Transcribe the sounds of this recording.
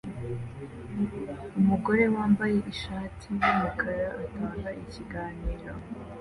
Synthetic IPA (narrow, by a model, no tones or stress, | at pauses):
umuɡo̞ɾe̞waːmbaje̞ʔiʃaːtʰiwamakʰaɾaʔataːŋɡaʔiciɡaːniːɾo